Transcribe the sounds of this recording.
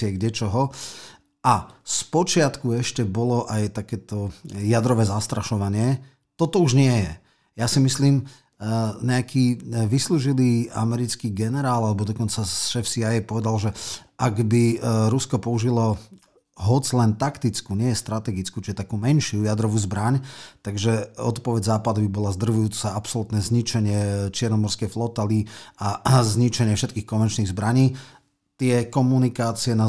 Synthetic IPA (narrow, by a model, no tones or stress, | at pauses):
ɪɛɡdɛt͡ʃɔɦɔ | ʔaspɔt͡ʃɪat̪kuɛʃcɛbɔlɔʔajt̪akɛːt̪ɔjad̪ɾɔʋɛːzast̪ɾaʃɔʋaɲɪɛ | t̪ɔt̪ɔuʒɲɪɛjɛ | jasimisliːm | ɲɛakʰiːʋisluːʒiliːa̰mɛɾit͡skiːɡɛnɛɾaːlalɛbɔd̪ɔkɔnt͡saʃɛfsiajɛpɔʋɛd̪alʒɛʔaɡbiɾuskɔpɔuʒilɔ | ɦɔd͡zlɛnt̪akt̪it͡skuɲɪɛjɛst̪ɾat̪ɛɡit͡skuːt͡ʃiɛt̪akuːmɛnʃɪujad̪ɾɔʋuːzbɾaɲt̪aɡʒɛɔt̪pɔʋɛɟzaːpad̪ubibɔlazd̪r̩ʋujuːt͡saapsɔlut̪nɛzɲit͡ʃɛɲɪɛt͡ʃɪɛɾnɔmɔɾskɛjflɔt̪aliazɲit͡ʃɛɲɪɛfʃɛt̪kiːxkɔnʋɛnt͡ʃniɣzbɾaɲiː | t̪ɪɛkɔmunikaːt͡siɛna